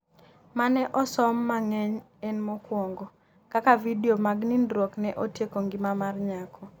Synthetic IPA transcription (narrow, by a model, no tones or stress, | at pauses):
manɛʔɔsɔmːaŋɛɲ | ɛnmɔkwɔŋɡɔ | kakavidiomaɡninɾoknɛʔotjekoŋɡɪmamarɲakʰɔ